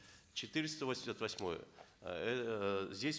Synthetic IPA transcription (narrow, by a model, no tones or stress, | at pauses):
t͡ɕɪt̪ɨɾʲɪst̪əvosʲɪmʲsʲat̪vɐsʲmo̞̰jə̰ɛzʲdʲesʲ